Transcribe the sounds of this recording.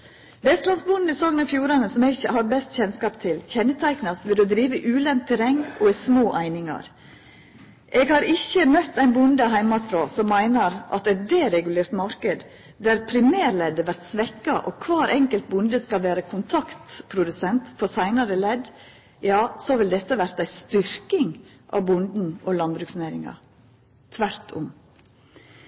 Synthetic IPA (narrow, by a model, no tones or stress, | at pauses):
bɛst̪lɑnsbʊnd̪n̩ɪsɔɡnɑfjuːɾɑnəsɔmɛɪçəhɑɾbɛst̪çɛnskɑːpt̪ʰɪlçɛnːət̪ʰæɪknɑsʋɪld̪ʉd̪ɾiːʋəʔʉːlɛntt̪ʰɛɾɛŋːɔismoːʔæɪnɪŋɑ̰ɾ | ʔɛɡhɑɾɪçəmœt̪ːæɪnbʊnd̪əɦæɪmɑt̪fɾoːsɔmːæɪnəɾʔɑ̰t̪ɛt̪̚d̪eːɾɛɡʉleːɾt̪mɑɾkəd̪ | d̪æɾpʰɾɪmæːɾlɛd̪ːəʋæɾt̪sʋɛkːɑʔɔkʰʋɑːɾʔɛŋkəlt̪̚bʊnd̪əskɑlʋæːɾəkʰʊnt̪ʰɑkt̪pʰɾʊd̪ʉsɛnt̪fɔɾsæɪnɑɾəlɛd̪ | jɑːsɔʋɪld̪ɛt̪ːəʋæɾt̪æɪst̪ʏɾkɪŋ | ʔɑ̰ʋbʊnd̪n̩ɔlɑnbɾʉksnæːɾɪŋɑ̰ | t̪ʰʋæɾt̪ʰʊ̰m